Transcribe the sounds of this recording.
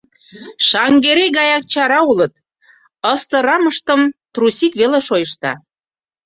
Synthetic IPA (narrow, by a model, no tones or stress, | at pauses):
ʃɑŋɡeɾeɣɑjɑk̚t͡ɕɑɾɑulət̪̚ | əst̪ə̆ɾɑməʃt̪ə̆mt̪rusikβeleʃojəʃt̪ɑ̰